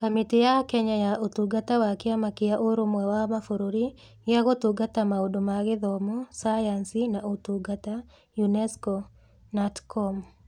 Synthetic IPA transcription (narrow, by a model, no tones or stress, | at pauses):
kamitejakɛɲajaʔotuɡatawakɪamakɪjaʔoɾomwɛwamafoɾoɾi | jaɣotuɡatamaodomaɣɪðɔmɔsajansinaotuɡata | junɛskɔ | natkʰɔm